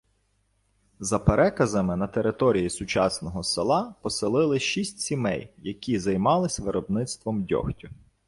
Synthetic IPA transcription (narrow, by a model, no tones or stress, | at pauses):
zɐpeɾɛkɐzɐmɪnɐt̪eɾɪt̪ɔɾʲijisʊt͡ʃɑsnɔɦɔselˠɑpɔsɪlˠɪlˠɪʃisʲtʲsʲimɛ̰jjɐkʲizɐjmɑlˠɪsʲʋɪɾɔbnɪt̪st̪ʋɔmdʲɔ̰xtʲʊ